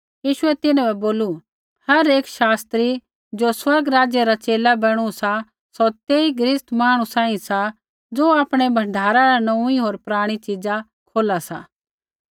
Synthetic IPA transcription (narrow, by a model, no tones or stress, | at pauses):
jiːʃʊɛt̪ɪnãbɛboːlu | hɐɾeːkʃaːst̪ɾi | d͡ʒoːswɐɾɡɾaːd͡ʒjeɾat͡ʃeːlabɐɽ̃ũsa | sɔt̪eːiɡɾɪst̪maːɽ̃usãːĩsa | d͡zoːaːpɽ̃ebʱɐ̃ɳɖʱaːɾaɾanɐ̃uiɦoːɾpɾaːɽ̃it͡ʃɪd͡za | kʰoːlasa̰ː